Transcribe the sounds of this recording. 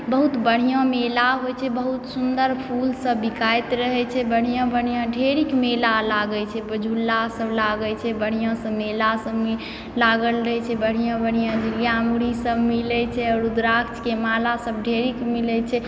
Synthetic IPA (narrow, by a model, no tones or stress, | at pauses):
bəɦut̪bəɽ̤ijə̃melaɦojt͡ʃʰɛbəɦut̪sund̪əɾpʰulsəbːikajt̪ɾəɦɛt͡ʃʰɛbəɽ̤ijə̃bəɽ̤ijãɖʱeɾikmelalaɡət͡ʃʰɛbəd͡ʒʱulːasəblaɡət͡ʃʰɛbəɽ̤ijɔ̃sə̃melasəbi | laɡəlɾəɦɛt͡ʃʰɛbəɽ̤ijɔ̃bəɽ̤ijãd͡ʒiɾijamuɽisəbmilɛt͡ʃʰɛɔːɾud̪ɾakt͡ʃkemalasəbɖʱeɾikmilɛt͡ʃʰɛ